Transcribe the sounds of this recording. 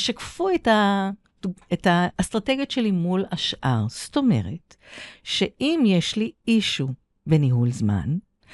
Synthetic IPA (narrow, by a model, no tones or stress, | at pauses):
ʃakfueta | etaːst̪ʁate̞ɡjotʃe̞limulaʃʔaʁsto̞me̞̰ʁe̞t | ʃeʔimjeʃliiʃu | be̞niɦulzma̰n